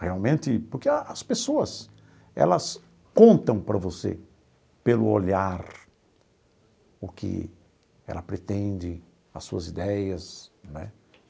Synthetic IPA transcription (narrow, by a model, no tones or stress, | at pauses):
heawmẽnt̪ɪpʊɾkeɐɐspesoɐs | ɛ̰lɐs | kõnt̪ɐ̃w̃pɾɐvosḛ | pelʊoʎaɾ | ʊkɪ̰ | ɛ̰lɐpɾet̪ẽnd͡ʒɪ | ɐsuɐzid̪ɛjɐsnwɛ̰